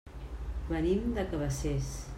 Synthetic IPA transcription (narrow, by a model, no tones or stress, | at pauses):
βənimd̪əkəβəses